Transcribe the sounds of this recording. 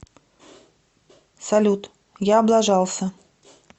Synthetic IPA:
sɐlʲut̪ | jaːblˠaʐɑlˠsʲə

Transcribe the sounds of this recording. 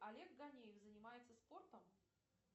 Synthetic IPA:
ɐlʲeɡɡɐnʲejɪfzənʲɪmajɪt̪səspo̞rt̪əm

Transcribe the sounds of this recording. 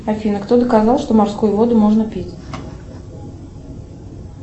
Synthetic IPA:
ɐfʲinəkt̪od̪əkazɑlˠʂt̪omɐrskujʊvo̞d̪ʊmoʐnəpʲitʲ

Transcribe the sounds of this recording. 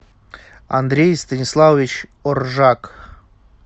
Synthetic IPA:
a̰nd̪ɾʲejst̪ənʲislˠavʲit͡ɕorʒak

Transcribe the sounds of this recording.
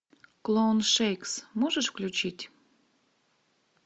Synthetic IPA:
klˠonʃejksmɔʒəʃfklʲut͡ɕitʲ

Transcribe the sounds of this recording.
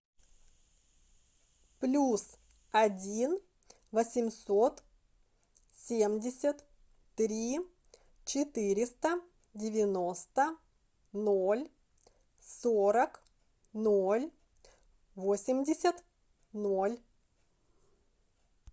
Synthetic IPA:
plʲus | ɐdʲin | vəsʲɪmsot̪ | sʲemdʲɪsʲət̪ː | ɾʲi | t͡ɕɪt̪ɨɾʲɪst̪ə | dʲɪvʲɪno̞st̪ə | nolʲ | soɾək | nolʲ | vosʲɪmʲdʲɪsʲət̪ | nolʲ

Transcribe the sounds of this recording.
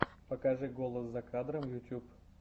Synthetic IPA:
pɐkaʐɨɡolˠəszɐkad̪ɾəmjʊtʲup

